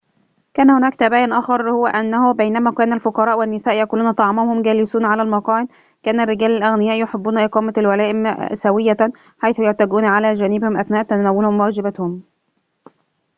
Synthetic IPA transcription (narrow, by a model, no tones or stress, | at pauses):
kæːnhʊnæːkt̪æbæːjɪnʔæːxɑɾˤhʊwæʔænːæhʊbejnæmæːkæːnælfoqɑɾˤɑːʔwænːɪsæːʔjækuːluːnæt̪ˤɑʕmɑhʊmɡæːlɪsuːnʕalælmɑqɑːʕɪd̪ | kæːnærːɪɡæːlalʔæɣnɪjæːʔjoħebːuːnæʔeqɑːmælwælæːʔɪmsæwɪjːæ | ħajθʊjʊʕt̪æɡuːnʕalæːd͡ʒænɪbhɪmʔæθnæːʔt̪ːænæwːʊlhʊmwæːd͡ʒɪbæt̪hʊm